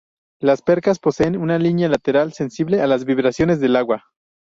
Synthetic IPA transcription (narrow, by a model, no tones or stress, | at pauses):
laspe̞ɾkaspo̞se̞ːnunalinjalat̪e̞ɾalse̞nsiβle̞alazβiβɾasjo̞ne̞zðe̞laɣwa